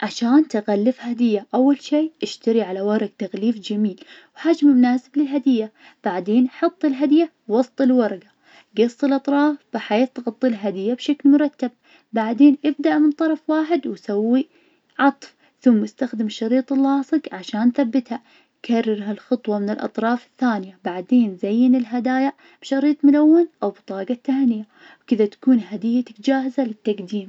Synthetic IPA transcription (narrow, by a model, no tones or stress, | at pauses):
ʕaʃaːnt̪aɣalːɪfhad̪ɪjːaʔawːalʃiːʔɪʃt̪aɾiʕalawɑɾˤɑɡ̚t̪aɣliːfd͡ʒamiːlwħad͡ʒmɪmʊnaːsɪblɪlɦad̪ɪjːa | b̥aʕd̪eːnʔħɑt̪ˤːɪlɦad̪ja | wɑsˤt̪ˤɪlwɑɾˤɑɡa | ɡɑsˤːɨlʔɑt̪ˤɾˤɑːfb̥ɪħeːθt̪ɣɑt̪ˤːilɦad̪ɪjːabʃaklmʊɾˤɑt̪ːab̚ | baʕd̪eːnʔɪbd̪aʔmɪnt̪ˤɑɾˤɑfwaːħɪd̪wsawːi | ʕɑt̪ˤf | θʊmːɪst̪axd̪ɪmʃːɑɾiːt̪ˤɪlːɑːsˤɨɡʕaʃaːnθabːɪt̪ha | kʰarˤːɪɾɦalxɨt̪ˤwɑmɪnɪlʔɑ̰t̪ˤɾˤɑːfɪθːaːnɪjabaʕd̪eːnzajːɪnɪlɦad̪aːjaʔ | b̥ʃɑɾiːt̪ˤmʊlawːɪnʔawbt̪ˤɑːɡɑt̪ːaːnɪja | wkɪðat̪ḁkuːnɦad̪ɪjːat̪kd͡ʒaːhɪzalɪt̪ːaɡd̪iːm